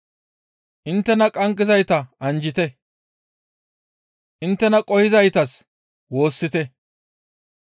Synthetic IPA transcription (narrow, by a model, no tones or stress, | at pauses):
ʔɪnt̪ːɛnɐkʼɐŋkʼːɪzɐjt̪ɐʔɐnd͡ʒɪt̪ɛ | ʔɪnt̪ːɛnɐkʼɔhɪzɐjt̪ɐs | wo̞ːsːɪt̪ɛ